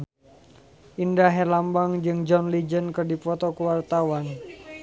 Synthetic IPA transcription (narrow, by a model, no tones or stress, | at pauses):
ʔindaɦelambaŋd͡ʒɨŋd͡ʒɔnlid͡ʒənkɨrdifɔt̪ɔkəwart̪awan